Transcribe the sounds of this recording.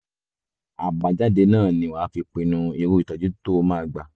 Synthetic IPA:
a˨ba˨d͡ʒa˦de˧nãː˦˨nĩ˨wa˨˦fi˧k͡pĩ˧nũ˧i˧ɾu˦i˨tɔ˧d͡ʒi˦to˦mãː˦˧ɡ͡ba˧

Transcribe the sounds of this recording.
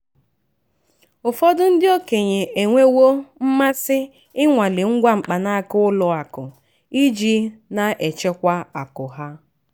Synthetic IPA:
ʊ˨fɔ˦dʊ˦n̩˦dɪ˦o˦ke˨ɲe˨ʔe˨ŋʷe˦wo˦m̩˦ma˦sɪ˦ | ɪ˦ŋʷa˨le˨ŋ̩˦ɡʷa˦ŋ͡m̩˨k͡pa˨na˦a˦kʊ˦ʊ˦lʊ˨a˨kʊ˨ | i˦d͡ʒi˦na˨ʔe˨t͡ʃe˦kʷa˦a˨kʊ˨ɦa˦

